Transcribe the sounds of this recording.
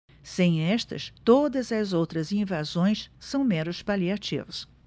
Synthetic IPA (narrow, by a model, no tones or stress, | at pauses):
sẽj̃ɛʃt̪ɐ̰st̪od̪ɐzɐzowt̪ɾɐzĩvazõj̃ssɐ̃w̃mẽnʊspaliat͡ʃḭvɐs